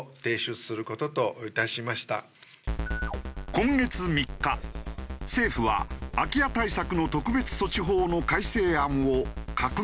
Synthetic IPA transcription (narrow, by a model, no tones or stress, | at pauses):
t̪e̞ːɕɨ̥sɨɾɯ̟ko̞t̪o̞t̪o̞it̪aɕimaɕi̥t̪a̰ | kõ̞ŋɡe̞t͡sɨmʲikːa | se̞ːɸɯ̟βa̰ːkʲiat̪aisakɯ̟no̞t̪o̞kɯ̟be̞t͡sɨ̥so̞t͡ɕiɦo̞ːno̞kaise̞ːãɰ̃okakɯ̟